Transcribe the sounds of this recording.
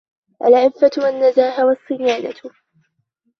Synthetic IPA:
ʔalʕɪfːat̪wanːazaːɦawɑsˤːɨjaːna̰t̪

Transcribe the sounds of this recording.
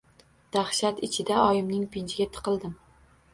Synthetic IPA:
d̪̥ahʃat̪ɪt͡ʃʰɪd̪aɒjɪmnɪŋpʰɪnt͡ʃʰɪɡʲat̪ʰɨ̥qʰɨlˠd̪ɪm

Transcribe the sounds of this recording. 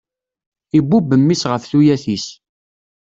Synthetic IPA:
ibːubːəmːisʁəfθujæθis

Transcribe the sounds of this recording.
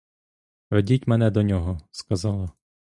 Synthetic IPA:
ʋedʲitʲmɛnɛd̪ɔnʲɔɦɔskɐzɑlˠɐ

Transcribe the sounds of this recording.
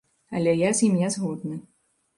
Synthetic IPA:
ɐlʲɛjazʲimjazɣɔd̪nɨ

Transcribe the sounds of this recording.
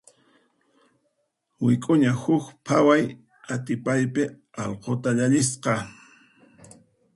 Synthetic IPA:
wɪkʼʊɲahʊkpʰawaj | at̪ɪpajpɪ | ɑlqot̪aʎaʎɪsqɑ

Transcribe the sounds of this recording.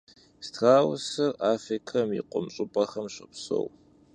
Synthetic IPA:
stʰraːwsɐraːfrikʰɐmjḭqʷʼʊmɕʼʊpʼɐχɐmɕɐpso̰w

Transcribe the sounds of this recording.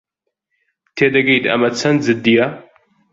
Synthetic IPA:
t̪ʰeːd̪ɐɡɐjd̪ɐ̰mɐt͡sʰɐnzɨd̪ːija

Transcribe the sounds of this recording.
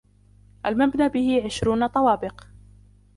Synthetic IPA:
ʔalmabnaːbɪhɪʕɪʃɾuːnat̪ˤɑwɑːbɪq

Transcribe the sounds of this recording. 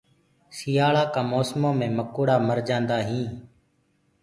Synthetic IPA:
sɪjaːɭaːkaːmoːsmõːmẽːməkuːɽaːməɾd͡ʒãːnd̪aːɦĩː

